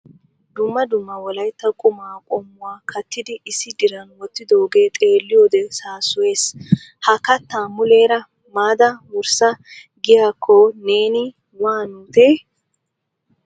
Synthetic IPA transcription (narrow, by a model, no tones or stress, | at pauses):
d̪ʊmːɐd̪ʊmːɐwɔlɐjt̪ːɐkʼʊmaːkʼɔmːʊwaːkʰɐt̪ːɪd̪ɪʔɪsːɪd̪ɪɾɐnwɔt̪ːɪd̪oːɡe̞ːt̪ʼe̞ːlːɪjoːd̪ɛsaːsʊwe̞ːs | hɐkɐt̪ːaːmʊle̞ːɾɐ | maːd̪ɐwʊɾsɐ | ɡɪjaːkʰːɔne̞ːnɪ | waːnuːt̪eː